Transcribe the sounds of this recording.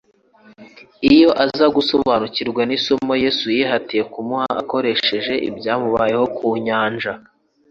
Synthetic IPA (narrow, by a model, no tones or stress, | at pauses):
ijo̞ʔazaɡusoβaːnuciɾɡwanisomo̞je̞ːsujiːɦatije̞kumuhaʔa̰ko̞ɾe̞ʃe̞ʒe̞ʔḭbɟaːmuβajeho̞kʰuːɲaːnʒa